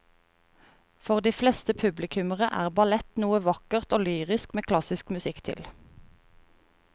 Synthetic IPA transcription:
fɔʁd̪iːflɛst̪əpʰʉblɪkʰʉməʁəʔæ̰ːʁbɑlɛt̪nuːəʋɑkəʁt̪oːlyːʁɪskmeːkʰlɑsɪskmʉsɪkt̪ʰɪ̰l

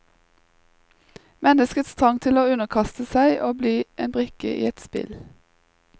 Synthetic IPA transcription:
mɛnəskət̪st̪ʰʁɑŋt̪ʰɪloːʉnəkʰɑst̪əsæɪʔoːbliːʔeːnbʁɪkə̰ʔḭːɛt̪spɪ̰l

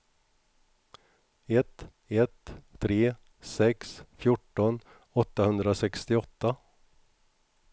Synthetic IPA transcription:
ɛt̪ | ɛt̪ʰːɾeː | sɛksfjʊʈːɔn | ɔt̪ːahɵnd̪ɾasɛkst̪ɪɔt̪ːa

